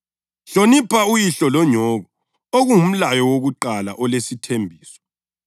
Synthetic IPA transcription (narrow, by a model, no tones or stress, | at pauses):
ɬonipʰaujiɬɔlɔɲɔɣɔ | oɣuum̩lajɔwoɣuǃalaʔɔlesitʰembʱiːsɔ̥